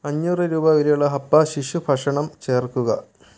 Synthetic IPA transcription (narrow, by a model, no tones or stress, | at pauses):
ɐɲːuːrɨɾuːbɐʋɐɾɐjuɭːɐɦɐpːɐɕiʂupʰɐʂɐɳɐmt͡ɕe̞ːrkːuɣɐ̰